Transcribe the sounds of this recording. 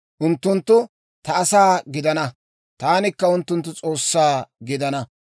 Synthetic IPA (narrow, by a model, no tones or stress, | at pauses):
ʔʊnt̪ːʊnt̪ːʊ | t̪ɐɐsaːɡɪd̪ɐnɐ | t̪aːnɪkːɐʊnt̪ːʊnt̪ːʊt͡sʼo̞ːsːaːɡɪd̪ɐnɐ